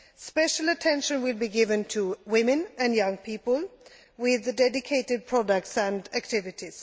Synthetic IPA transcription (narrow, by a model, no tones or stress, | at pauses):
spɛʃələtʰɛ̃nʃə̃nwɪlˠbiɡɪvə̃ntʰuwɪ̃mɨ̃nɨ̃njʌ̃ŋpʰiːpəlˠ | wɪðdɛdɪkʰeɪtɨd̚pʰɹ̥ɔdək̚tsə̃ndæk̚tʰɪvɪtiz̥